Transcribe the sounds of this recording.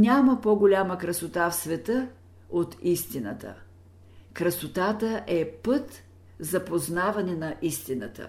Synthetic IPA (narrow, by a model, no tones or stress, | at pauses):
nʲaməpoɡolʲaməkɾɐsot̪afsvɛt̪ə | ot̪ist̪inə̰t̪ə̰ | kɾəsot̪at̪əʔɛpɤt̪ | zɐpoznavɐnɛnɐʔist̪inət̪ə̰